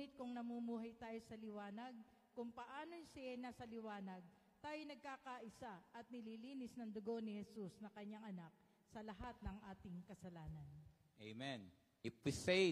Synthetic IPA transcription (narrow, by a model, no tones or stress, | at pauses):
ɪt̪̚kʊŋnɐmumuːɦɐjt̪aːjo̞sɐlɪwaːnɐɡ̚ | kʊŋpɐʔaːnosaʔɐjnasɐlɪwaːnɐɡ̚ | t̪aːjonɐɡ̚kaːkaʔɪsaʔɐt̪̚nɪliːliːnɪsnɐŋd̪ʊɡo̞nɪhɛsusnɐkɐɲːaŋʔɐnak̚ | sɐlɐɦat̪̚nɐŋʔaːt̪ɪŋkɐsɐlaːnɐnʔejmɛn | ɪpɪse